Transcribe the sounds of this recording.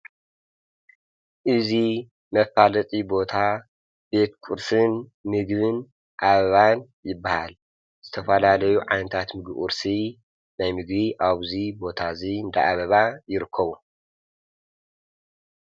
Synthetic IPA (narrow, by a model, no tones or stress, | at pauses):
ʔɨzi | mɐfalɐt̪ʼibo̞t̪ʰa | be̞t̪kʼuɾsɨnmɨɡβɨn | ʔaβɐβan | jɪbːahal | z̥ɨt̪ʰɐfɐlalɐjuʕajnɐt̪ʰat̪mɨɡiʔʼṵɾsi | najmɨɡbiʔaβzibo̞t̪ʰazind̪aʔaβɐβajɪɾɨkʰːɐβu